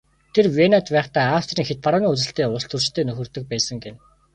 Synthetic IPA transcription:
t̪ʰerwenat̪pæːχt̪aːaft̪riːŋxet̪̚paɾʊːniːɵt͡sɘ̆ɬt̪eːʊɬt̪ɵ̆r̥t͡ɕt̪ʰeːnɵxɵ̆rt̪ɵ̆k̚pæːsə̆ŋɡen

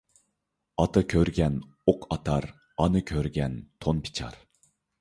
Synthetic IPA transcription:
ɑt̪ʰɑkʲʰøɾɡʲɛn | oqʰɑt̪ʰɑɾ | ɑnɨkʲʰøɾɡʲɛnt̪ʰonpʰi̥t͡ʃʰɑ̰ɾ

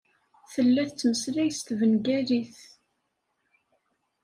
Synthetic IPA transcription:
θəlːæθt͡sːməsɾæjst̪vənɡæɾiθ

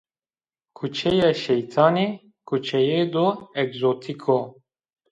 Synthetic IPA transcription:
kʰut͡ʃɛjɛʃɛjt̪ʰaːne | kʰut͡ʃɛjed̪ɔɛɡzoːt̪ʰikʰo

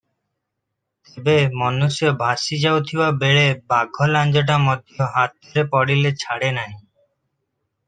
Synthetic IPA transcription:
t̪ebemɔnusjobʱasid͡ʑawt̪ʰiwabeɭebaɡʱɔland͡ʑoʈ̬amɔd̪ʱjoɦat̪̚d̪oɾepɔɽilet͡ɕʰaɽenaɦĩ

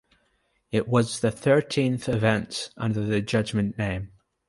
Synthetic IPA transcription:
ɪʔwʌzðəθɜ˞tʰĩnθɪvɛ̃ntʌ̰̃ndə˞ðəd͡ʒʌd͡ʒmə̃nːẽm

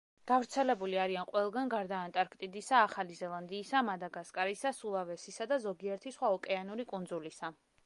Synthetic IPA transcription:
ɡ̥avɾt̪sʰɛlɛbuliaɾianqʼwɛlˠɡanɡaɾd̪aːnt̪ʼaɾkʰt̪ʼid̪isaːχalizɛlˠand̪iːsamad̪aɡaskʼaɾisasulˠavɛsisad̪azɔɡiɛɾt̪ʰisχwaɔkʼɛanuɾikʼund̪zulisa

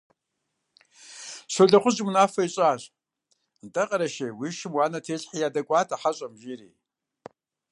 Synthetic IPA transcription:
sʷoɮɐχʷʊzɪmnaːfɐiɕʼaːɕ | ntʼɐqʼɐɾɐʃewiːʃɪmwaːnɐtʰeːɬħijaːdɐkʷʼaːtʰaħaɕʼɐmʒiɾḭː

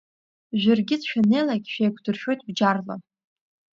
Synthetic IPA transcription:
ʒʷᶣarɡʲɪt͡sʃᶣanejlaɡʲʃᶣejkʷʰdɨrʃᶣo̞jtʼbd͡ʒarla̰

